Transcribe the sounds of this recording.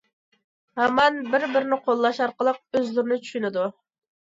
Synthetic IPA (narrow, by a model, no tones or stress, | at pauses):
hɑmɑnbɪɾbɪɾɪnɪqʰolˠːɑʃɑɾqəlˠəq̚øzlɪɾɪnɪt͡ʃʰy̥ʃynɪd̪u